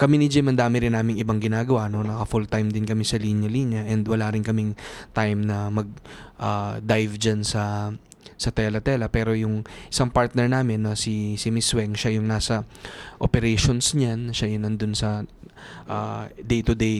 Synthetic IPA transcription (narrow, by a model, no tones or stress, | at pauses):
kɐminɪd͡ʒɪmɐnd̪aːmɪɾɪnːaːmɪŋɪbaŋɡɪnaːɡɐwaʔno̞nɐkɐfult̪ajmd̪ɪnkɐmɪsɐlinjɐliːnjɐʔɛnd̪wɐlaɾɪnkɐmɪŋt̪ajmnɐmɐɡ̚ʔaːd̪ajvd͡ʒansɐ | sɐt̪ɛlɐt̪ɛlɐpɛːɾo̞jʊŋʔɪsaŋpaɹt̪̚nɛɹnaːmɪnːɐsisɪmɪswɛŋʃajʊŋnaːsɐʔopɛɾɛjʃonsɲanʃajʊnɐnd̪ʊnsɐ | ʔad̪ejt̪ʊd̪ej